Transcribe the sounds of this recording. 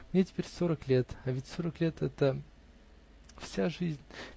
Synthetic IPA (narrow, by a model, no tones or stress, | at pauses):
mnʲetʲɪ̥pʲeɾʲsoɾəklʲe̞t̪ɐvʲɪtʲso̞ɾəklʲe̞t̪ɛt̪ə | fsʲaʐɨzʲnʲ